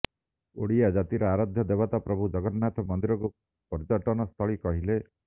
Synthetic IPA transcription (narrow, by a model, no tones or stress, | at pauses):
o̰ɽiad͡ʒat̪iɾɔaɾad̪ʱjɔd̪ebat̪apɾɔbʱud͡ʒɔɡɔɾnat̪ʰɔmɔnd̪iɾɔku | pɔɾd͡ʒɔʈɔnɔst̪ʰɔɭikɔɦile